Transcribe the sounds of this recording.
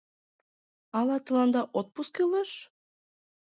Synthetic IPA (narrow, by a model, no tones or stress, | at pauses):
ɑlˠɑt̪ɤ̆lˠɑnd̪ɑʔot̪̚puskilˠɤʃ